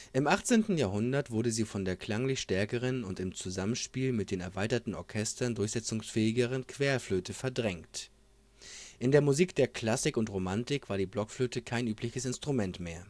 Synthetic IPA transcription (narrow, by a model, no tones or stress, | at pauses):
ʔɪmʔaχt͡seːntn̩jaːɦʊndɐtv̥ʊɐɾəziːfɔndeːɐkl̥aŋlɪçʃtɛɐkəʁ̞ənʊntɪmt͡suzamənʃpiːlmɪt̚d̥eːnɛɐvaɪtɐtn̩ʔɔɐkʰɛstɐndʊɐçz̥ɛt͡sʊŋsfɛːɪɡəʁ̞ənkv̥eːɐfløːtʰəfɛɐdʁɛŋkt | ʔɪndeːɐmuziːkd̥eːɐkl̥asɪkʊntʁomantɪkv̥aːɐdiːblɔkfløːtəkʰaɪnʔyːplɪçəsɪnstʁ̥umɛntmeːɐ